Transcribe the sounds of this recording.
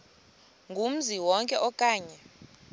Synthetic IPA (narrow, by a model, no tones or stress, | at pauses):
ŋɡʱum̩ziwɔŋkʼɛʔɔkʼaːɲɛ